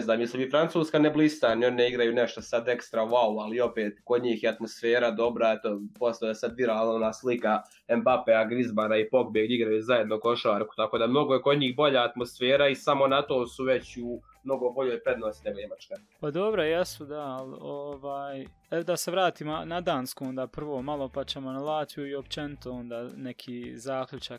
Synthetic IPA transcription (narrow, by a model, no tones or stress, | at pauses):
znaːmjesibifɾant̪suːskaneblˠist̪anio̞nineiɡɾajuneʃt̪osad̪e̞kst̪ɾaʋaualio̞peːt̪kod̪ɲiːxjeat̪mo̞sfe̞ːɾad̪o̞bɾaet̪opost̪aoasad̪ʋiɾaːlˠnaonaːslika | embapeaɡɾizbanaipo̞kbeːɡiɡɾajuzaje̞d̪noko̞ʃaːɾku̥t̪ako̞ːd̪amno̞ɡojeko̞d̪ɲiːxbo̞ʎaːt̪mosfeːɾaisamo̞nat̪oːsuʋet͡ɕu | mno̞ɡobo̞ʎoːjpɾe̞d̪noːsineɡojemat͡ʃka | pad̪o̞bɾojesud̪aaloʋaːj | eod̪aseʋɾaːt̪iːmonad̪aːnskoond̪aːpr̩ʋoːmalo̞pat͡ɕemonalˠaːt̪ijuiopt͡ʃenit̪oond̪aːnekʰiːzaːklʲʎut͡ʃak